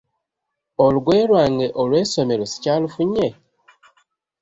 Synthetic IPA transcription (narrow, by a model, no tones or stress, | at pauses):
oluɡweːɾwaːŋɡeʔolweːsomeɾosi̥calufuɲe